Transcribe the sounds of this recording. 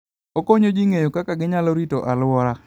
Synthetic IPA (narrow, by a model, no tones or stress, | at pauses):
okoɲod͡ʒiŋejokakaɡɪɲaloɾitoʔalʊɔɾa